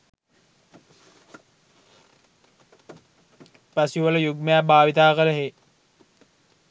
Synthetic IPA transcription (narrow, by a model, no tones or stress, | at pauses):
pasiʋələjuɡməjabʱaːʋit̪aːkələɦe